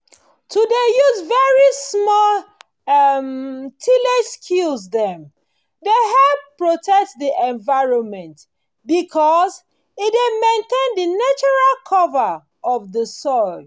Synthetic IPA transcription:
tʰudejuzvɛɹismɔl | mtʰileskʰulzðɛ̃m | deɦɛpːɹotʰɛk̚tdiʔɛ̃nvaɪɹɔ̃nmɛ̃nt | bikʰɔz | idemẽntẽndənat͡ʃɔɹalkʰɔvə | ɔvðəsɔɪl

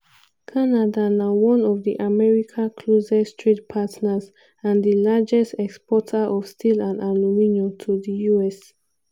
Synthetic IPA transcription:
kʰanadanawɔ̃nɔvðiʔamɛɹikʰãkʰlozɛstʰɹit̚pʰatnaz | ãndəlad͡ʒɛstɛkspɔtʰaʔɔfstʰilãndalumĩnjotʰuðəjuɛs

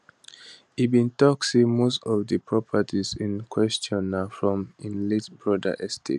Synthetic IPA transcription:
ibĩntɔksimostɔvdəpʰɹɔpʰətʰizĩnkʰwɛst͡ʃɔ̃nafɹɔ̃mĩnlisbɹɔdə̰ʔɛstʰḛt

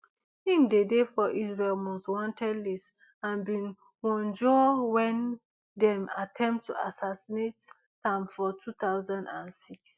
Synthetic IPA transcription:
hĩmdedefɔʔizɹelmɔstwɔ̃ntʰɛdlis | ãnbĩn | wɔ̃nd͡ʒɔwɛ̃n | dɛ̃matʰɛ̃mptːuasasinetː | ãmfɔtʰut̪aʊzãndãnsiks

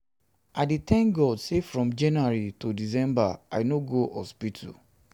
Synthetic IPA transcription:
adetɛ̃ŋkɡɔdsefɹɔ̃md͡ʒɛnuaɹitudis̬ɛ̃mbaa̰noɡoʔɔspitʰṵ

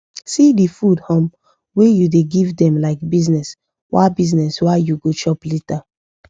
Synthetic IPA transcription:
sidifudhɔ̃m | wejudeɡivdɛ̃mlaɪkbiznɛs | wa̰biznɛswajuɡot͡ʃɔplita

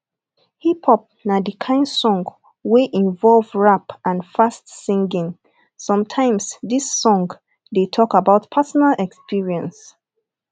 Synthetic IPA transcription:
hiphɔp̚nadikʰãɪ̃nsɔ̃ŋɡ | weʔĩɱvɔlvɹapãnfastsĩŋɡĩŋ | sɔ̃mtʰãɪ̃msdisːɔ̃ŋɡ | detʰɔkabaʊtpʰasɔnalɛkspiɹiɛ̃ns

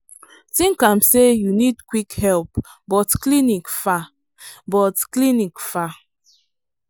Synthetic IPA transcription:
tĩŋkãmsejunidkwikhɛlpbɔtklinikfa | bɔtklinikfa

